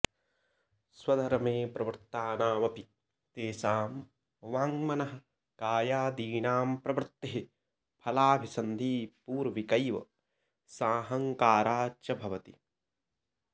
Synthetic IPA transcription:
swɐd̪ʱɐɾɐmeːpɾɐʋɐɾt̪aːnaːʋɐpi | t̪eːsaːm | ʋaːŋmɐnɐɦɐ̆ | kaːjaːd̪iːɳaːmpɾɐʋɐɾt̪ːeɦi | pʰɐlaːbʱisɐnd̪ʱiːpuːɾʋikɐjʋɐ̰ | saːɦɐŋkaːɾaːt͡ʃɐbʱɐʋɐt̪ḭ

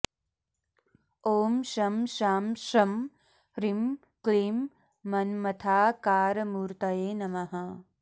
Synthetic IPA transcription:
oːmʃɐmʃaːmʃɐm | ɾim | klimː | ɐnmɐt̪ʰaːkaːɾmuːɾt̪ɐjeːnɐmɐɦɐ

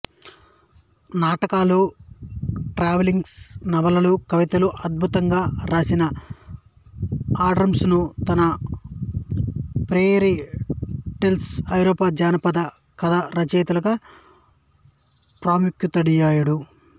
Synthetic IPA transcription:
naːʈɐkaːlu | ʈɾaːʋeliŋɡsnɐʋɐlɐlukɐʋit̪ɐluʔɐd̪̚bʱut̪ɐŋɡaːɾaːsinɐ | aːɖɾɐmsnut̪ɐnɐ | pɾeːɾi | ʈelsɐjɾɔːpaːd͡ʒaːnɐpɐd̪ɐ | kɐd̪ɐɾɐt͡ʃeːt̪ulɐɡɐ | pɾaːmikjut̪ɐɽijaːjuɽu

